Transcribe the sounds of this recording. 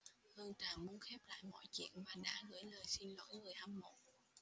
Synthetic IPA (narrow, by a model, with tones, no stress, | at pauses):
hɨ˧ŋt̪aː˨˩ŋmu˧˦ənxɛ˦˥p̚la̰ː˧˨jmɔ̰˧˨jt͡ɕḭ˧˨ənvaː˨˩ɗa̰ː˧˥ɣɨ̰˧˥əjləː˨˩jsi˧nlo̰˧˥jŋɨ˨˩əjha˧mmo̰˧˨˩t̚